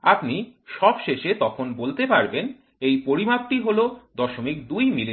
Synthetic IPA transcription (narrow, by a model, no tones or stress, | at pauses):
apniʃɔbʃeʃet̪ɔkʰonbolt̪epaɾben | ejpoɾimak̚ʈiɦolod̪ɔʃomik̚d̪ujmili